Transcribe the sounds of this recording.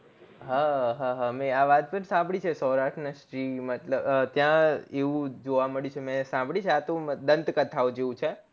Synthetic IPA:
ɦaɦaɦamɛ̃aʋat̪̚pənsãmbʱɽit͡ʃʰesɔɾaʂnəʃɾimət̪ləbt̪jãeʋũd͡ʒoʋaməɭjiut͡ʃʰemɛ̃sãmbʱɽit͡ʃʰeat̪od̪ənt̪kət̪ʰaod͡ʒeʋũt͡ʃʰe

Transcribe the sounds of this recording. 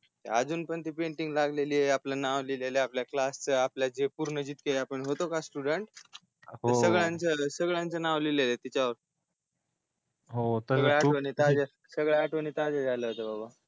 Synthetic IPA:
t̪ead͡zuːnpəɳt̪iːpeɳʈiŋɡlaɡleliːeaplənaʋlileleapljaklast͡səapljad͡ʑepuɾnəd͡ʑiːt̪̚keleapəɳɦot̪okasʈuɽəɳʈ | tɦəsəɡɭjãnt͡səsəɡɭjãnt͡sənaʋlilelet̪it͡ɕaʋəɾ | ɦot̪əəɡɭaaʋənit̪ad͡ze | səɡɭjaaʈʰʋənit̪ad͡zed͡zʱaləɦot̪əbaba

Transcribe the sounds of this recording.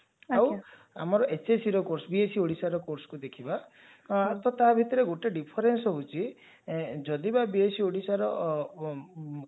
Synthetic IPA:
aw | a̰mɔɾɔʔet͡ʃesiɾɔkoɾsbiesioɽisaɾɔkoɾsɔ̥kud̪ekʰiba | at̪ʰɔt̪abʱit̪ɔɾeɡoʈeɖipʰɔɾensɔɦut͡ʃʰi | d͡ʒɔd̪ibabiesioɽisaɾɔ

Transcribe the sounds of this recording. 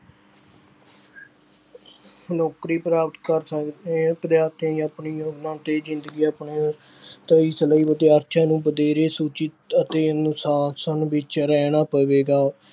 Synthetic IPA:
nɔːkɾiːpɾaːpt̪kəɾsəkd̪ẽpəd̪jaːɾt̪jãːĩəpɳiːjoːɡnãːt̪eːzɪnd̪əɡiːəpɳeː | t̪əiːsələiːbəd̪jaːɾʃʰãːnũːbəd̪eːɾeːsuːt͡ʃɪt̪ət̪eːnʊsaːsənʋɪt͡ʃɾɛːnaːpəʋeːɡaː

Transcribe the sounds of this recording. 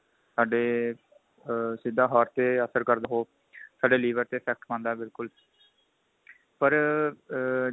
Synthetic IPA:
saːɖeː | sɪd̪ːaːɦɔːɾt̪eːəsəɾkəɾd̪ɦoː | saːɖeːliːʋəɾt̪eːpʰɛːk̚ʈmãːnd̪aːbɪlkʊl | pəɾ

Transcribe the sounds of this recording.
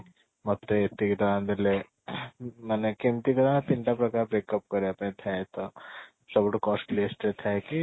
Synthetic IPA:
mɔt̪ːeet̪ːiɡɐt̪ãnd̪ele | manekemt̪ikɐd̪apiɳʈapɾɐkaːɾbɾeːkɐp̚kɐɾeɐpnet̪ʰɛt̪ɔ | sɐbuʈkɔːsʈlesʈet̪ʰɛki

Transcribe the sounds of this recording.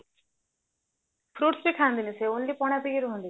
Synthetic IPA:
pʰɾuːʈsbikʰãːnd̪iːniseonliːpɔːɽ̃ãp̪iɡiɾuɦʊ̃nd̪iː

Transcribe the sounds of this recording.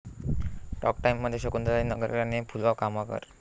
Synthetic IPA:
ʈɔ̰k̚ʈajimːəd̪ʱːjeɕəkund̪ɾaɾinəɡəɾɾanepʰulʋakamakə̰ɾ

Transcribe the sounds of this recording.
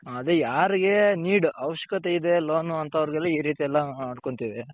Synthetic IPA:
ɐd̪ejaːɾiɡe̞niːɽuɐʋɐʃjɐkɐt̪eid̪eloːnuɐnt̪ɐɐʋɐɾɡɛlːɐiːɾiːt̪ijɛlːɐaːɖko̞ɳt̪iːʋe

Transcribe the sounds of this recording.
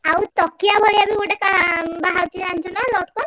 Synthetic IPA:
awt̪ɔkijabʱɔɾiabiɡoʈɛkabaɦawt͡ʃiant̪ʰɔnalɔʈkɔn

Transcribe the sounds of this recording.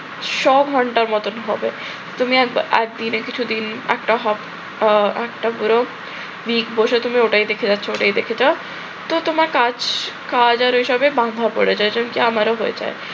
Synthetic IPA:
ʃɔɡʱɔɳʈaɾmɔt̪onɦɔbe | t̪umiɛkɛ̰k̚d̪inekit͡ɕʰud̪inɛ̰kʈaɦɔp | ɛkʈapuɾo | bikboʃet̪umioʈaid̪ekʰed͡ʑatːɕʰooʈajd̪ekʰed͡ʑao | t̪ot̪omaɾkad͡ʑkad͡ʑaɾɦiʃɔbebãnd̪ʱapo̰ɽed͡ʑaed͡ʑonkiamaɾoɦoḛd͡ʑa̰e

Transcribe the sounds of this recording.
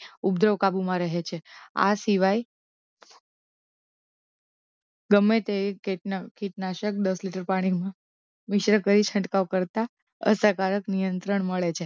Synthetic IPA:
ubd̪ɾəʋkabumãɾəɦet͡ʃʰea̰siʋaj | ɡəmːet̪ekeʈnkʰiʈnaʃək̚d̪əsliʈəɾpaɽ̃ikmã | mɪʃɾəkəɾit͡ʃʰə̃ɳʈkaʋkəɾt̪a | ə̰səkaɾəknijənt̪ɾəɳ̃məɭet͡ʃʰe

